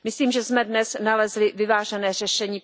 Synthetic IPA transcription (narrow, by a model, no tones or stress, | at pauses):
mɪsliːmʒɛzmɛdnɛsnalɛzlɪvɪvaːʒɛnɛːr̝ɛʃɛɲiː